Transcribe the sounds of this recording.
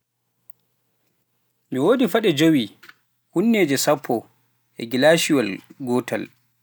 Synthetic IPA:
miwoːdifaɗɛd͡ʒowi | hunːeːd͡ʒɛsapʰːɔ | ʔɛ̰ɡilaʃiwalɡɔːtʰa̰l

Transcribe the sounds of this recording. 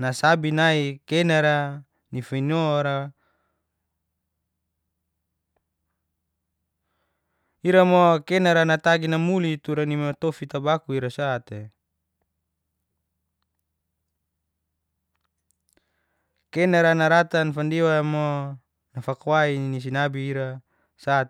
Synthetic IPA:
nasabinaikenaɾa | nifainoɾa | iɾamokenaɾanat̪aɡinamulit̪uɾanimt̪ofit̪abakuiɾasat̪e | kenaɾanaɾat̪anfandiwamo | nafakwainis̬inabiːɾa | sat̪

